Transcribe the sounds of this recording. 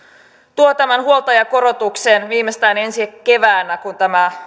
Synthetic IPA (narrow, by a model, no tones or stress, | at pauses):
t̪uot̪æmænhuolˠt̪ɑjɑko̞ɾot̪ukseːnʋiːmest̪æːne̞nsiekːe̞ʋæːnækunt̪æmæ